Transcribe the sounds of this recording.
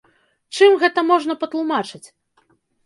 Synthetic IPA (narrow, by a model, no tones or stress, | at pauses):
t͡ʂɨmɣɛt̪ɐmɔʐnɐpɐt̪lˠumat͡ʂɨt͡sʲ